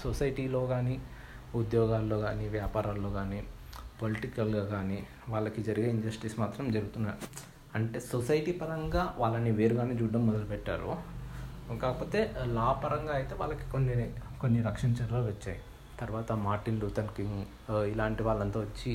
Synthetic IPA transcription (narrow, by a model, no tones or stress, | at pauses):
sosɐjʈiːloːɡaːni | ud̪jɔːɡaːlːo̞ːɡaːniʋjaːpaːɾaːlːoːɡaːni | poliʈikɐlɡaːɡaːniː | ʋaːɭːɐkid͡ʒɐɾiɡeːiɲd͡ʒɐsʈismaːt̪ɾɐmd͡ʒɐɾuɡut̪unːaːɾu | ɐɳʈe̞ːsosɐjʈiːpɐɾɐŋɡaːʋaːɭːɐnːiʋeːɾuɡaːneːd͡ʒuːɖːɐmːɔd̪ɐlupɛʈːa̰ːɾṵ | kaːkɐpo̞ːt̪e̞ːlaːpɐɾɐŋɡaːɐjit̪e̞ːʋaːɭːɐki̥konːikonːiɾɐkʂɐnɐt͡ʃɐɾɐɐlʋɐt͡ʃːa̰ːji | t̪ɐɾuʋaːt̪ɐmaːɾʈinɾuːt̪ɐnkiŋ | ilaːɳʈiʋaːɭːɐnt̪oːʋɐt͡ʃːi